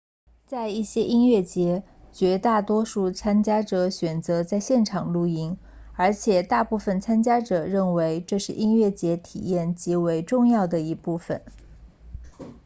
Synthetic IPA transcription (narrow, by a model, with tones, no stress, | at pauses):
t͡sa˥˧ɪi˥˩ɕjɛ˥ʔi˥nɥɛ˥˩t͡ɕjɛ˧˥ | t͡ɕɥɛ˧˥t̪a˥˩t̪wɔ˥ʂu˥˩t͡sʰa˥nt͡ɕja˥ʈ͡ʂɤ˧˥ɕɥɛ˨˩nt͡sɤ˧˥t͡sa˥˧ɪɕjɛ˥˩nʈ͡ʂʰɑ˨˩ŋlu˥˩i˧˥ŋ | ə˞˧˥t͡ɕʰjɛ˨˩t̪a˥˧pu˥˩fə˨˩nt͡sʰa˥nt͡ɕja˥ʈ͡ʂɤ˨˩ɻə˥˩nwe˧˥ɪʈ͡ʂɤ˥˧ʂɻ̩˥˩ʔi˥nɥɛ˥˩t͡ɕjɛ˧˥t̪ʰḭ˨˩jɛ˥˩nt͡ɕi˧˥we˧˥ɪʈ͡ʂʊ˥˧ŋjɑ˥˩ʊd̪ə˩i˧˥pu˥˩fə̰˩n